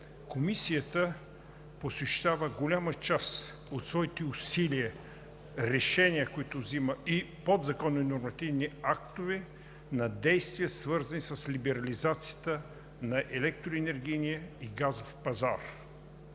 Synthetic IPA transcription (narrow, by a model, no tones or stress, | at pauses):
komisijət̪ə | posvɛʃt̪avəɡolʲamət͡ʃas | ot̪svɔit̪ɛʊsiliə | ɾɛʃɛniəkoit̪ʊvziməipod̪zɐkɔnːonoɾmɐt̪ivniak̚t̪ʊvɛ | nɐd̪ɛjst̪vijəsvɤɾzɐnisɐslʲibɛɾɐlizat̪sijət̪ə | nɐʔɛlɛk̚t̪ɾʊɛnɛɾɡiniəiɡazofpɐzaɾ